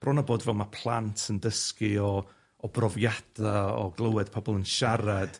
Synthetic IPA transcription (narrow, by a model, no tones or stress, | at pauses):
b̥rɔnaboːdvɛlˠmapʰlˠantʰəndəskɨɔ | ɔbrɔvjad̥aɔ̰ɡlˠəwɪd̥pʰɔbɔlˠənʃaɾad̥